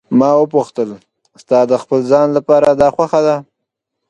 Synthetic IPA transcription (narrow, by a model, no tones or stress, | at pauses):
mɑwəpuxt̪əl | st̪ɑd̪əxpəlzɑnlapɑɾad̪ɑxwaxad̪a